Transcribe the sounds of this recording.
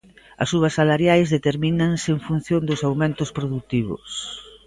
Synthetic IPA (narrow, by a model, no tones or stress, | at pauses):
ɐ̰suβ̞ɐsːalaɾjajzðet̪eɾminaŋseeŋfun̟θjond̪ʊsawmẽnt̪ʊspɾoðut̪iβʊ̰s